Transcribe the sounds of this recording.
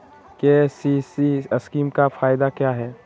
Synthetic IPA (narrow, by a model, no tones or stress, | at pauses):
kesisiɐskiːmkafʰaːɪd̪akjaːɦɛː